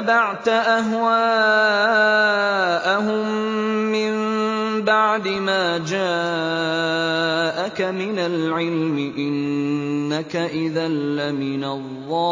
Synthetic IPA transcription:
baʕt̪aʔaɦwaː | ʔaɦʊmː | ɪmbaʕd̪ɪmaːd͡ʒaː | ʔakamɪnalʕɪlmɪʔɪnː | akaʔɪðalːamɪnɑlˤːɑː

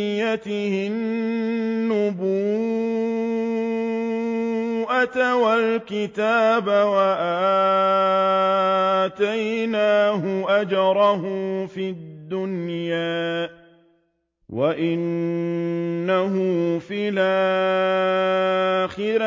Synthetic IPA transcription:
jat̪ɪhɪ | nː | ʊbuː | ʔat̪awalkɪt̪aːbawaʔaː | t̪ajnaːɦʊʔad͡ʒɑɾˤɑhʊfid̪ːʊnjaː | waʔɪn | aɦʊfɪlaː | xɪɾ

